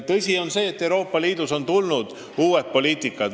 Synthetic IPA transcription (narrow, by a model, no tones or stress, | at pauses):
t̪ɤsʲio̞nse̞ːet̪ːˑe̞wɾo̞ːpːˑɑliːd̪̥uso̞nt̪ulnud̪̥ | uːwet̪̚pːo̞liːt̪ˑikːˑɑ